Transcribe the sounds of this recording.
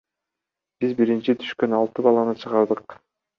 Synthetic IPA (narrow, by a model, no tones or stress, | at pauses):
bizbiɾint͡ʃit̪ʰy̥ʃkø̞nɑlˠt̪ɯbɑlˠɑnɯt͡ʃʰɯʁɑɾd̪ɯq